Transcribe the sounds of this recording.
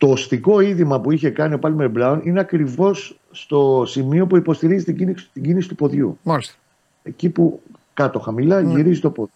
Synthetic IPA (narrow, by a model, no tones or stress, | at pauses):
t̪oːsθiko̞iðimɐpuiçe̞kɐnio̞pɐlmeɾblɐonine̞ɐkɾivo̞sː | t̪o̞simio̞puipo̞st̪iɾizit̪iinst̪iɟinisi̥t̪upo̞ðʝṵmɐlis | ecipu | kɐt̪o̞xɐmilɐʝiɾizit̪opo